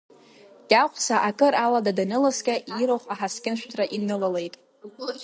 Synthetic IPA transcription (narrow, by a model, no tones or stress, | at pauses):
tʲʼaqʷʰʼsaʔakʼɨɾaladadanɨlaskʲʼaʔiɾoχʷaħaskʲʼɪnʃʷᶣtʰraʔinɨlalejtʼ